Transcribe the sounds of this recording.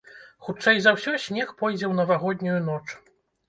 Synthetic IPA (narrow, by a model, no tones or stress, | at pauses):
xut͡ʂɛjzɐwsʲɔsʲmʲɛxpɔjd͡zʲɛwnɐvaɣɔd̪ʲnʲujunɔt͡ʂ